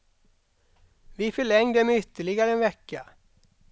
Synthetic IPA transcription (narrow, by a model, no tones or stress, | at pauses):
ʋiːfœɭɛŋd̪əmeʏt̪ʰːəɭɪɡaɾəɛnʋɛkːə